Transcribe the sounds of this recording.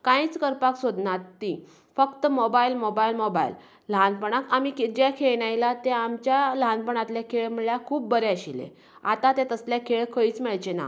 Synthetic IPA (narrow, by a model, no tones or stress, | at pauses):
kãĩt͡skəɾpaksod̪nat̪ːi | fəkt̪əmobailmobajlmobajlː | əɦanpəɳ̃akamikd͡ʑɛkʰeɭnajlat̪ẽamt͡ɕjaləɦanpəɳat̪ljakʰeɭm̤əɭɭjakʰuːp̚ːbəɾeəɕilḛ | a̰t̪at̪ẽt̪əsljakʰeɭkʰəiːt͡smeɭt͡ɕena̰